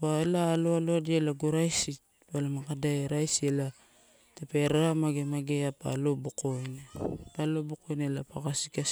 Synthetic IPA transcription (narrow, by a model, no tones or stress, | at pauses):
paelaːloaloadielaɡuɾajsit | palamakadaeɾajsiela | tepe̞ɾamaɡemaɡeapa̰lo̞bukojnpalo̞bukojnelapaɡasika